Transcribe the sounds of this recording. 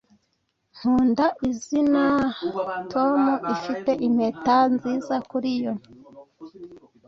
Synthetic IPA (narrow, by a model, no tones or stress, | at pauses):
ŋ̥uːndaʔizina | tʰo̞muʔifite̞ʔim̥hetanziːzakuɾijo